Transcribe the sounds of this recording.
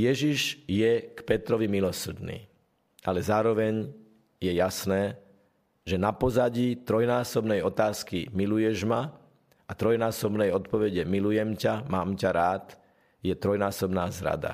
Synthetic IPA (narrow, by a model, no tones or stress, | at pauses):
jɛʒiʒjɛkpɛt̪ɾɔʋimilɔsr̩d̪nḭː | ʔalɛzaːɾɔʋɛɲ | jɛjasnɛː | ʒɛnapɔzaɟit̪ɾɔjnaːsɔbnɛjɔt̪aːskimilujɛʒma | at̪ɾɔjnaːsɔbnɛjɔt̪̚pɔʋɛɟɛmilujɛmcamaːmcaɾaːt̪ | jɛt̪ɾɔjnaːsɔbnaːzɾa̰d̪a̰